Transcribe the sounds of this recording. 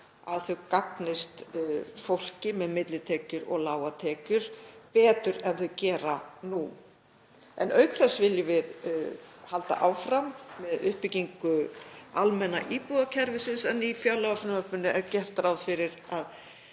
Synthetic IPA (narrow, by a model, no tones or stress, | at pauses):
aðθœkaknɪst̪fowl̥cɪmɛðmɪt̪lɪt̪ʰɛːcʏɾɔ̰ɣlaːwat̪ʰɛːcʏɾ̥pɛːt̪ʏɾɛnθœcɛːɾanu | ɛ̰nœɥkθɛsːvɪljʏvɪð | halt̪a̰ʔaːwfɾamːɛðʏhpɪciŋkʏalmɛnaʔiːpuðacʰɛɾvʏsɪnsanifjaːwlawafʏnmapʏnːʏʔɛɾcɛr̥t̪aɾawfɪɾɪɾað